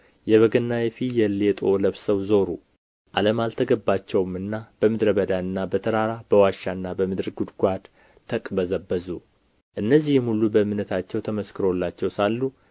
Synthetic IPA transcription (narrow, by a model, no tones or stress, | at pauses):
jɛβəɡənːajɛfijɛljɛt̪ʼoləβsəwzo̞ɾṵ | ʔaləmalt̪ʰəɡəbːat͡ʃːɛwmɨnːab̥əmɨd̪ɾəbəd̪anɨnːabət̪ʰəɾaɾab̥əwaʃːanːabəmɨd̪ɾɡud̪ɡʷad̪ | t̪ʰːəkʼbəzəbːəzu | ʔɨnːəzːihmhulːubəɨmnət̪ʰat͡ʃːɛwt̪ʰəməskɨɾo̞lːat͡ʃːɛwsalːu